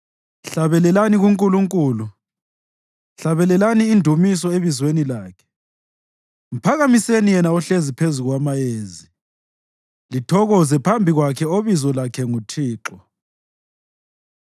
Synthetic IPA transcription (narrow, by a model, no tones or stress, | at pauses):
ɬaβɛlɛlaniɣuŋkʼuluŋkʼuːlu | ɬaβɛlɛlaniːndʱumis̬ɔeβizwenilaːkʰɛ̥ | m̩pʰaɣamisenijɛnauɬezipʰezuɣwamajeːzi | litʰɔɣɔzɛpʰambʱiɣwakʰɛoβizɔlakʰɛŋutʰiːǁɔ